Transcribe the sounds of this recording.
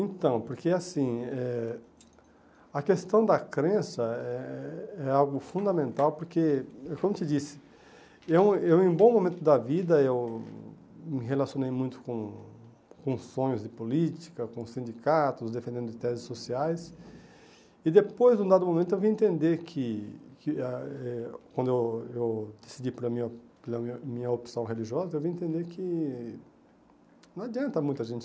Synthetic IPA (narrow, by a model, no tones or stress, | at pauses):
ẽnt̪ɐ̃w̃poɾkeasĩɛ | ɐkest̪ɐ̃w̃d̪ɐkɾẽsɐɛɛawɡʊfũd̪ɐmẽnt̪awpoɾkekõmʊt͡ʃ̪ɪd͡ʒisɪ̥ | ew̃ewẽbõmõmẽnt̪ʊd̪ɐvid̪ɐew | mɪɦelasiõnejmũj̃t̪ʊ̥kõ | kõsõɲʊzd̪ɪpolit͡ʃi̥kɐkõsĩnd͡ʒikat̪ʊzd̪efẽnd̪ẽnd̪ʊɪt̪ɛzɪsːosiajs | ɪd̪epojzd̪ũd̪ad̪ʊmomẽnt̪ʊewviẽnt̪ẽnd̪eɾkʰɪkɪaɛkwɐ̃nd̪ʊewewd̪̥esid͡ʒipɾɐmĩɐplɐmĩɲɐopi̥sɐ̃w̃ɦeliʒiɔzɐewviẽnt̪ẽnd̪eɾkʰɪ | nɐ̃ad͡ʒiɐ̃nt̪ɐmũj̃t̪ʊaʒẽnt͡ʃɪ